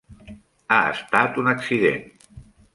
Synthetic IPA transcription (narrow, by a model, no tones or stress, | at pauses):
aə̰st̪at̪unəksiðḛn